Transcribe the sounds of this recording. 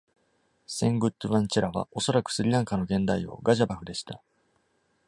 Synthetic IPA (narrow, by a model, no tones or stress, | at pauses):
sẽ̞ŋɡɯ̟t̪ːɯβãɲt͡ɕiɾaβa̰o̞so̞ɾakɯ̥sɨɾʲiɾãŋkano̞ɡẽ̞nd̪aio̞̰ɡaʑabaɸɯ̟d̪e̞ɕi̥t̪a